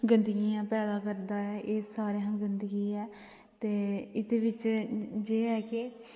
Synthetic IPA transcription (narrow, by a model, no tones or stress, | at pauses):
ɡənd̪əɡijãːpɛːd̪aːkəɾd̪aːɛːʔeːsaːɾeːɦãːɡənd̪əɡiːɛː | t̪eːɪt̪ʰeːʋɪt͡ʃd͡ʒeːɦɛːkɪ